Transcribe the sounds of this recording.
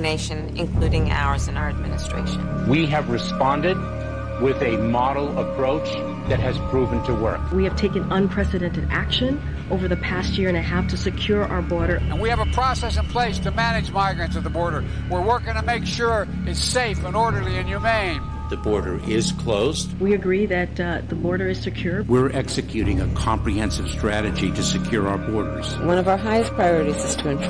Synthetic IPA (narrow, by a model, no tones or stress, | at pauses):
neɪʃɨ̃nɨ̰̃nkʰl̥uɾɪ̃ŋa̰ʊə˞zɨ̃naʊə˞ɨd̚mɪ̰nɨstɹ̥ḛɪʃn | wiɨvɹɨspɑ̃ndɨd̚ | wɪðɨmɑɾl̩ˠəpʰɹ̥oʊt͡ʃ | ðɨt̚ɦɨz̥pʰɹ̥uvɨ̃n̩tʰəwɜ̰˞kwiɨv̥tʰeɪkɨ̃nʌ̃npʰɹ̥ɛsɨɾɛ̃ntɨɾæ̰kʃɨ̃n | ʔoʊvə˞ðɨpʰæst̚jɪɹɨ̃nɨɦæftʰɨsɨkʰj̥ʊɹʔa̰ʊə˞bɔɹɾə˞ɨ̃nwiɨvəpʰɹ̥ɔsɛsɨ̃npʰl̥eɪstʰɨmæñɨd͡ʒmaɪɡɹɨ̃ntsʌvðəbɔɹɾə˞ | wəɹwɜ˞k̚ɪ̃ŋtʰɨmeɪkʃʊɹ | ɨtsseɪfə̃nɔɹɾə˞liɨ̃njʉmẽɪ̃n | ðɨbɔɹɾə̰˞ʔɪz̥kʰl̥oʊzdwiɨɡɹiðɨt̪̚ðəbɔɹɾə˞ɨz̥sɨkʰj̥ʊɹwɪɹʔɛksɨkʰj̥ʉɾɪ̃ŋɨkʰɑ̃mpɹihɛ̃nsɨv̥stɹ̥æɾɨd͡ʒiɾɨsɨkʰj̥ʊɹaʊə˞bɔɹɾə̰˞z̥wʌ̃ñʌvaʊə˞ɦaɪɨspʰɹ̥ajɔɹɨɾizɨz̥tʰɨɨ̃ntʰ